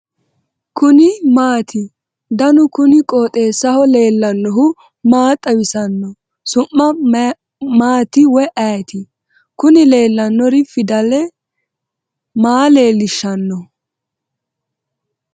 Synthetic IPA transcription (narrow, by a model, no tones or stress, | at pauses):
kʊnɪmaːt̪ʰɪ | d̪ɐnʊkʊnɪkʼoːt̪ʼe̞ːsːɐhɔle̞ːlːɐnːɔɦʊ | maːt̪ʼːɐwɪsɐnːɔ | sʊmːɐ | maːt̪ɪwɛʔɐjt̪ɪ | kʊnɪle̞ːlːɐnːɔɾɪfɪd̪ɐlɛ | maːle̞ːlːɪʃːɐnːɔ